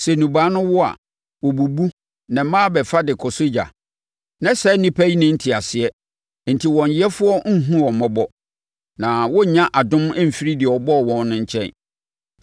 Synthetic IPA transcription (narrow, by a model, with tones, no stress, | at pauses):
sɛ˨nũ˨baː˨˦nʊ̃˦wɔ˦a̰˨ | wɔ˨bu˨bu˦ | nɛ̃˨˦mãː˦bɛ˨fa˦dɪ˨kʰɔ˨sʊ˦d͡ʑa̰˨ | nɛ̃˦sɛ˦nĩ˦pʰæ˦i˦nɪ̃˦n̩˦tʰi˨a˨sɪ˨ɛ˦ | n̩˨tʰi˨wɔ̃˨n˨ɪ˦ɛ˦fʊ˦ɔ˦ŋ̩˦ɦũ˦ɔ˨mɔ̃˦bɔ˦ | nã˨wɔ˦˨ɲã˦ʔa˨dʊ̃˦mɛ˦m̩˨fi˦ɾi˦dɪ˨ɛ˨ɔ˨bɔ˦˨wɔ̃˦nnʊ̃˦ɲ̩˦t͡ɕʰɛ̰̃˦˨n